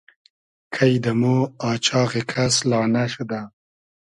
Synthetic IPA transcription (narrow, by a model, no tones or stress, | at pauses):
kʰajd̪əmoɑːt͡ʃɑːɣekʰaslɑːnaʃud̪a